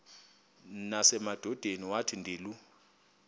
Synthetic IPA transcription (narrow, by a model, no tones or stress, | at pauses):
nasɛmad̥ʱɔd̥ʱeniwatʰindʱiːlu